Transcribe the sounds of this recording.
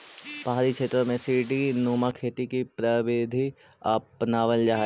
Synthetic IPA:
paɦaːɾikʃeːt̪ɾəmẽsiʈinuːmakʰeːt̪ikipɾəʋɪd̪ʱi | ɐpnaːʋəld͡ʒaɦ

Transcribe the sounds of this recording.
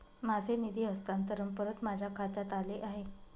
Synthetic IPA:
mad͡zʱenid̪ʱiːɦəst̪ant̪əɾəmpəɾət̪mad͡ʑʱakʰat̪at̪aleʔaɦe

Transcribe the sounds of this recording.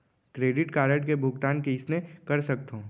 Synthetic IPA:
kɾeːɖɪʈkaːɾəʈkebʱʊɡt̪aːnkeɪsnekɐɾsɐk̚t̪õː

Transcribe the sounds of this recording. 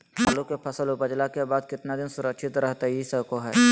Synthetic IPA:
haːlũkepʰəsəlʊpəd͡ʒlakebaːd̪̚kɪt̪nad̪ɪnsʊɾəkʃʰɪt̪ɾɐɦt̪aɦisəbkoɦɛ̰ː

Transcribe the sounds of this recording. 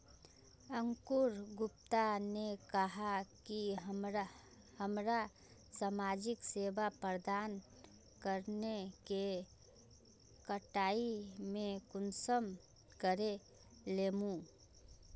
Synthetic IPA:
əŋkuɾɡʊpt̪anekəɦakimɾ | həmɾa | samaːd͡ʒɪkseːbapɾəd̪aːn | kəɾneke | kəʈaːimẽkʊnsəm | kəɾe | leːmũ

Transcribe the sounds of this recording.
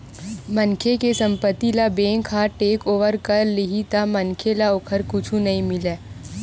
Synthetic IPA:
mənkʰekesɐ̃mpət̪ːilabẽːŋkʰaʈeːkoːʋəɾkɐɾlɪɦit̪amɐnkʰelaoːkʰəɾkʊt͡ʃʰũnɐɦĩmɪleː

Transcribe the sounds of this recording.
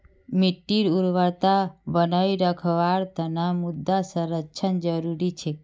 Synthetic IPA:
miʈːiɾuɾʋəɾt̪abənəiɾəkʰʋaɾt̪ənamud̪ːasəɾət͡ʃʰənd͡ʒəɾuɾit͡ʃʰe

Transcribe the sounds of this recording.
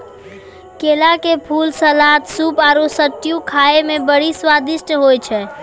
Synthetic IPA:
kelakepʰulsəlat̪supaɾusəʈːijukʰaemebəɽiswad̪isʈɦojt͡ʃʰɛ

